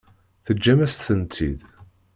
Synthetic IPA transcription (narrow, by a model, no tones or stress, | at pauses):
θəd͡ʒːæmæst̪θənt̪ʰḭd̪